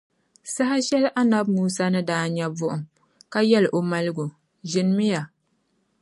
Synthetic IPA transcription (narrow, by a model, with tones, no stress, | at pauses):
sa˦ɦa˦ʃɛ˦lʔa˦na˦b̚muː˦sa˦nɨ˦daː˦ɲɛ˦bʊ˦ʔʊ˨m | ka˦jɛ˦lʔo˨ma˦lɨ˦ɡu˨ | ʒɪ˨n˦mɪ˦ja˨